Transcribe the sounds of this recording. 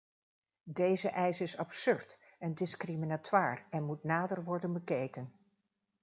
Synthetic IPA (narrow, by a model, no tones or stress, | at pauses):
dejzəʔɛjsɪsɑpsʏɹt | ɛndɪskriminatwaːrɛnmutnaːdərʋɔɹdənbəkejkən